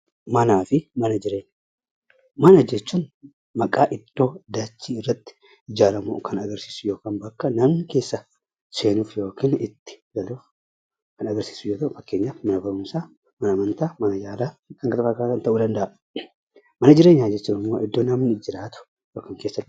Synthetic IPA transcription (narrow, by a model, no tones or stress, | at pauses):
mɐnaːfɪmɐnɐd͡ʒɪɾe̞ːɲa | mɐnɐd͡ʒɛt͡ʃːuːn | mɐkʼaːʔɪt̪ːo̞ːd̪aːt͡ʃːiːɪrːɐt̪ːɪ̥ | ɪd͡ʒaːɾɐmṵkʰɐnɐɡɐɾsiːsʊjo̞ːkaːnbɐkːɐnɐmnɪke̞ːsːɐ | se̞ːnuːfjo̞ːkiːnɪt̪ːɪ̥ɡɐluːf | kɐnɐɡɐɾsi̥ːsʊjoːt̪ɐʔʊfɐkːe̞ːɲːaːfmɐnɐbɐɾʊmsaː | mɐnɐmɐnt̪aːmɐnɐjaːd̪aːkɐŋkɐt̪ɐfɐkakɐnt̪ɐʔuːd̪ɐnd̪ɐʔɐ | mɐnɐd͡ʒɪɾeːɲːaːd͡ʒɛt͡ʃːuːnɪmːo̞ːʔɪd̪ːo̞ːnɐmnɪd͡ʒɪɾaːt̪ʊ̥ | joːkiŋke̞ːsːɐ